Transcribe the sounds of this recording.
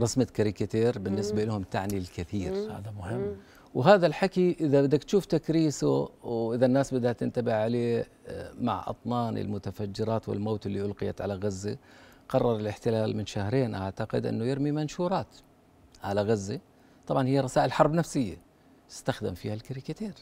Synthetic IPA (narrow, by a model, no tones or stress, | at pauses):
ɾˤɑsmakaɾɪkat̪eːɾbɪnːɪsbaʔɪlːhʊmt̪aʕnilkɪθiːɾha̰ːðamʊhɪmː | wɦaːðalħakiʔɪðabɪd̪ːakt̪ʃuːft̪akɾiːsuwʔɪðanːaːsbɪd̪at̪ːɪnt̪abɪʕʕaleː | ma̰ʕʔɑ̰t̪ˤnɑːnɪ̰lmʊt̪afad͡ʒːɪɾɑːt̪wɪ̰lmoːt̪ɪlːiʔʊlqɪja̰t̪ʕa̰laɣazːi | qɑrˤːɑɾˤɪlɪħt̪ɪlaːlmɪnʃahɾeːnʔa̰ʕt̪aqɪd̪ʔɪ̰nːʊjɪɾmimanʃuːɾˤɑːt̪ | ʕalaɣazːi | t̪ˤɑbʕɑnhɪjːaɾˤɑsaːʔɪlħɑɾˤbnafsɪjːa | t̪ɪ̥st̪axd̪ɪ̰mfḭːhalkaɾikat̪eːɾ